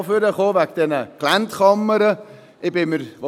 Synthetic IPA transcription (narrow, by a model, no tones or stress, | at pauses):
føɾəχoːvækd̥ɛnəklæntχɑmːəɾə | ʔɪbɪməɾʋo